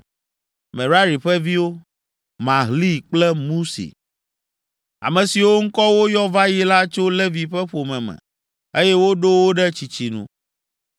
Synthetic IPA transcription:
mɛ̃˨ɾa˦ɾi˨ɸɛ˦vi˦wo˦ | mã˨ɦli˦k͡plɛ˦mũ˦sḛ˨ | a̰˨mɛ̃˨si˨wo˦ŋ̩˦kɔ˦wo˦jɔ˦va˦ji˦la˦t͡ʃo˦lɛ˦vi˨ɸɛ˦ɸo˨mɛ̃˨mɛ̰̃˨ | e˦jɛ˦wo˦ɖo˦wo˦ɖɛ˦t͡ɕi˨t͡ɕi˨nṵ̃˨

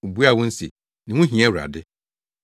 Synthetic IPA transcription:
u˨bu˦a˦˨wʊ̃˦n̩˦se˨ | nɪ̃˨wʊ̃˦ɦĩ˨ɛ˦wɾa̰˨dɪ˦

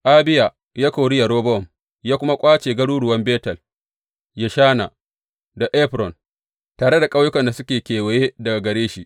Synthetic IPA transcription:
ʔa˦bɪ˦ja˨ | jaː˦ka˨wɽɪ˦ja˨ɾoː˦bɔ˦ɔ˨m | jaː˦kʷʊ˦ma˦kʷʼaː˦t͡ʃeː˨ɡɐ˦ɽuː˦ɽʊ˨wɐ˦mbeː˦tɐ˨l | ja˨ʃaː˦na˨ | da˨ʔɛ˦ɸɾɔ˨n | taː˨ɽe˦da˨kʼa˦wjʊ˦kɐ˨nda˨sʊ˦kʲeː˨kʲeː˨we˨je˦dɐ˨ɡa˨ɡɐ˨ɾeː˦ʃi˦ʔ

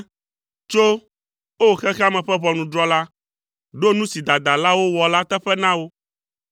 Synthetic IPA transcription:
t͡ʃo˦ | wo˦˨xɛ˦xɛ˦a˦mɛ̃˨ɸɛ˦βɔ˨nũ˨d̪ɾɔ˦la˦ | ɖo˦nũ˦si˨d̪a˨d̪a˨la˦wo˦wɔ˨la˦t̪ɛ˦ɸɛ˦nã˦wo˦

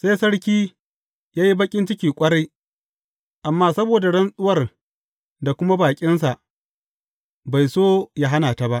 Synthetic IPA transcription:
sa˦sɐ˦ɽkʲiː˦ | jaː˦ji˦bɐ˦kʲʼɪ˦nt͡ʃɪ˦kʲiː˨kʷʼɐ˦ɽa˦j | ʔa˨mːaː˦sɐ˦boː˨da˨ɽɐ˦nsʼʊ˦wɐ˨r | da˨kʷʊ˦ma˦baː˨kʲʼɪ˦ns̬a˨ʔ | ba˨jsoː˦ja˦ɦa˦naː˨ta˨ba˦ʔ

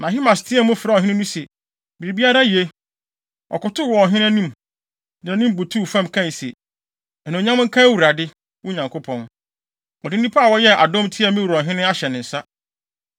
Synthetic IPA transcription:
nã˨ɦi˦mã˨stʰɪ˦ɛ˦mʊ̃˦fɪ˨ɾa˦ɔ˨ɦɪ̃˦nɪ̃˦nũ˦sɛ˨ | bi˨ɾi˨bi˦a˦ɾa˦je˦ | ɔ̰˨kʊ˨tʰʊ˦wɔ˨ɔ˨ɦɪ̃˦ñ˦a˦nũ˦˨m | nɪ̃˨ã˨nĩ˦m˨bo˨tʰu˦˨fã˦˨mkʰã˦˨sḛ˨ | ɛ˨nã˨ɲã˦mʊ̃˦ŋ̩˦kʰã˦wu˨ɾa˨dɪ˦ | wʊ˦ɲã˨ŋkʰo˦pʰɔ̃˨n | ɔ˨dɪ˦n˦ĩ˦pʰa˦a˨wɔ˦jɛ˦ʔa˨dõ˦mtʰɪ˦ɛ˦mɪ̃˦wu˨ɾɔ̃˨ɦɪ̃˦nɪ̃˦a˦ɕɛ˨nɪ̃˨n̩˨sa˦

